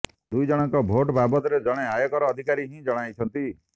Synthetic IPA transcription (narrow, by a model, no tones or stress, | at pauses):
d̪ujd͡ʒɔɽ̃ɔŋkɔbʱoʈbabɔt̪ɔɾed͡ʒɔɽ̃eajɔkɔɾɔːd̪ʱikaɾiɦĩd͡ʒɔɽ̃ajt͡ʃʰɔnt̪i